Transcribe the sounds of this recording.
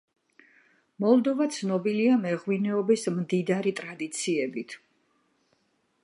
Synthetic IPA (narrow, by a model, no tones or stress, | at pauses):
mɔlˠd̪ɔvat̪sʰnɔbiliamɛʁwinɛɔbismd̪id̪aɾit̪ʼɾad̪it̪sʰiɛbit̪ʰ